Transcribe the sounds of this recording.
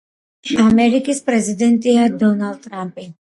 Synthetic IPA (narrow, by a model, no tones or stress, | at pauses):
amɛɾikispɾɛzid̪ɛnt̪iad̪ɔnald̪̚t̪ɾampi